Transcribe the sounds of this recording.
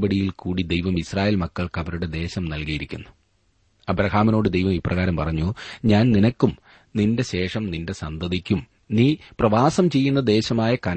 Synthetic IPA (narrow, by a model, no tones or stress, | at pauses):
bɐɽijilkuːɽid̪ejʋɐmisraːje̞ːlmɐkːɐɭkɐʋɐɾuɽe̞d̪e̞ːɕɐmnɐlkijiɾikʲːunːu | ɐbɾɐhaːmino̞ːɽɨd̪ejʋɐmiprɐɣaːɾɐmpɐrɐɲːuɲaːnninɐkːum | ninde̞ɕe̞ːʂɐmninde̞sɐnd̪ʱɐðikʲːum | niːprɐʋaːsɐmt͡ɕe̞jːun̪ːɐd̪e̞ːɕɐmaːjɐkɐn